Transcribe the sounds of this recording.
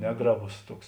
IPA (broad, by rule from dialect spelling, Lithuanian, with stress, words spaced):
ˈnʲæːɡrɐˌboːs ˈtuɔks